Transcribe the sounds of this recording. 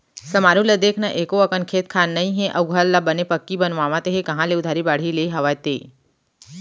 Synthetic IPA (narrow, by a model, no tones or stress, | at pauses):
sɐmaɾũləd̪eːkʰnaʔeːkoəkənkʰeːt̪̚kʰanːɐɦĩɦẽʔɐwɡʱəlːabənepəkːibənʋaʋãt̪eɦekɐ̃ɦãleʊd̪ʱaɾibaːɽ̤ileɦɐʋajt̪ḛː